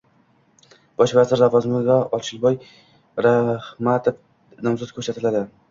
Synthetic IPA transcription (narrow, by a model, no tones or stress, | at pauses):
b̥ɒʃvazɪɾlavɒzmɪɡ̪aɒt͡ʃʰɪlˠbɒj | ɾahmat̪ʰɪp | nɒmsʊt̪kʰɵɾsat̪ʰɪlad̪ɪ